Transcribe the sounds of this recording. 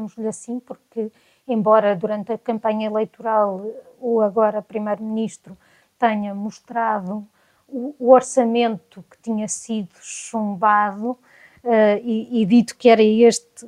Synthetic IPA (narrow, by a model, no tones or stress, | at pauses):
muʒʎɐsĩpuɾkɨ | ẽmbɔɾɐðuɾɐ̃nt̪ɐkɐ̃mpɐɲɐilˠejt̪uɾalˠ | oɐɣɔɾɐpɾimejɾuminiʃt̪ɾu | t̪ɛɲɐmuʃt̪ɾaðu | uːɔɾsɐmẽnt̪u̥kɨ̥t̪iɲɐsiðu̥ʃũmbaðu | ɛiːðit̪u̥kɛɾɐeʃt̪